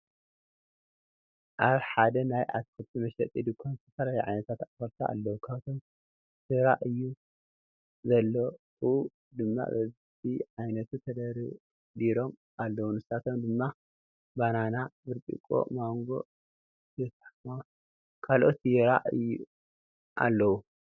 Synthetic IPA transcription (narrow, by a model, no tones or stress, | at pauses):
ʔaβħad̪ɐnajʔa̰t̪kʰɨlt̪ʰimɐʃɐt̪ʼid̪ɨkʰont̪ʰɐfɐlajʕa̰jnɐt̪ʰat̪afɐɾt̪ʰa̰a̰lːɐwukʰat̪ʰom | sɨɾa̰ʔɨjːu | zɐlːo | uu | d̪ɨmːa̰bɐz | t̪ʰiʕajnɐt̪ʰut̪ʰɐd̪ɐɾi | d̪iɾo̞m | ʔalːɐwunɨsat̪ʰomd̪ɨmːa | bananabɨɾt̪ʼḭkʼo̰maŋɡo̞̰ | ɛsaħma | kʰalʔot̪jiɾa̰ʔɨjːṵ | ʔa̰lːɐwu